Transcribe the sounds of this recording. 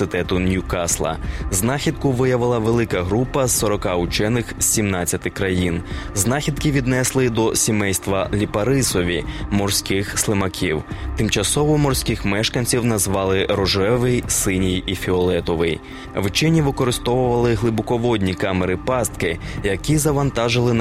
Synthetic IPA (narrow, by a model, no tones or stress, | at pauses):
sɪt̪ɛt̪ʊnʲukɑslˠɐ̰znɑxʲid̪̚kʊʋɪjɐʋɪlˠɐʋelˠɪkɐɦɾupɐz̥ːɔɾɔkɑʊt͡ʃɛnɪxʲsʲimnɑt͡sʲːɐt̪ɪkɾɐjinznɑxʲid̪kiʋʲid̪nɛslˠɪd̪ɔsʲimɛjst̪ʋɐlʲipɐɾɪsɔʋʲimɔrsʲkɪxslˠɪmɐkʲʰiwt̪ɪmt͡ʃɐsɔʋɔmɔrsʲkɪxmɛʃkɐnʲt͡sʲiwnɐzʋɑlˠɪɾɔʒɛʋɪjsɪnʲijifʲiɔlˠɛt̪ɔʋɪj | ʋt͡ʃɪnʲiʋɪkɔɾɪst̪ɔʋʊʋɐlˠɪɦlˠɪbɔkɔʋɔd̪ʲnʲikɑmeɾɪpɑst̪kɪjɐkʲizɐʋɐnt̪ɑʒɪlˠɪn